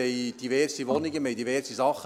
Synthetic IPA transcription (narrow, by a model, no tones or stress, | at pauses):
ɛjd̥̪iʋɛrsiʋɔnɪɡəmɛjd̪iʋɛrsisɑχː